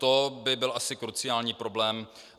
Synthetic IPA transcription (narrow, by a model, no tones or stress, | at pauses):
t̪obɪbɪlʔasɪkɾut͡sɪaːlɲiːpɾo̞blɛːm